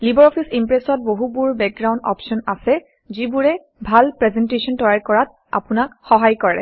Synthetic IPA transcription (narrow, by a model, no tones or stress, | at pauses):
libɔɹɔpʰisimpɹɛsɔt̚boɦubuɹbɛk̚ɡɹaw̃ndɔ̰pʃɔna̰sɛ | zibuɹɛ | bʱalpɹɛzɛntesɔntɔjaɹkɔɹat̚ | a̰pʊnakxɔɦajkɔɹɛ̰